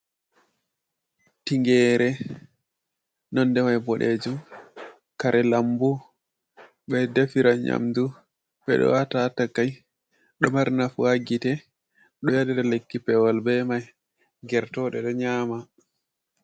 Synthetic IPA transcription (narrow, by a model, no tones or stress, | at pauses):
tiŋɡɛːɾɛ | nɔnːdɛmajbɔɗed͡ʒum | kaɾʔɛlambu | ɓɛdefiɾaɲa̰mdu | ɓɛ̰ɗɔ̰watatakːaj | ɗɔmaɾnafwaɡitɛ | ɗɔjaɗɛɾalekːipɛwalbɛmaj | ɡɛɾtɔɗɛɗɔɲaːma